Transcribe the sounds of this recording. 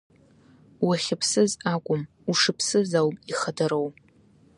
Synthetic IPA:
waχʲɪpʰsɨzakʷʼʊm | uʂɨpʰsɨzawpʼiχadaɾow

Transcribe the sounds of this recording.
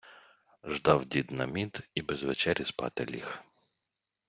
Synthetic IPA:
ʒd̪ɑwdʲid̪nɐ̰mʲit̪ibɛzʋet͡ʃɛɾʲispɑ̰t̪ḛlʲix

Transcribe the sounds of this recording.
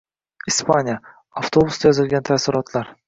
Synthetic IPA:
ispʰanʲija | aft̪ʰo̞bʊsd̪ajɒzɪlɡʲant̪ʰasɪɾɒt̪ʰlaɾ

